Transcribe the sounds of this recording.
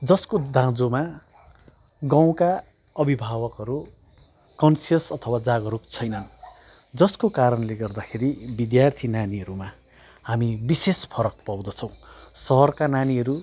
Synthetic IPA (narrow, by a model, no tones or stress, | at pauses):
d͡zʌskod̪ãd͡zoma | ɡãw̃ka | ʌbʱibʱawʌkɦʌɾu | kʌnsijʌsʌt̪ʰʌwad͡zaɡʌɾuk̚t͡sʰʌjnʌn | d͡zʌskokaɾʌnleɡʌrd̪akʰeɾibid̪jart̪ʰinaniɦʌɾuma | hamibisespʰʌɾʌk̚paw̃d̪ʌt͡sʰʌ̃w̃sʌɦʌrkananiɦʌɾu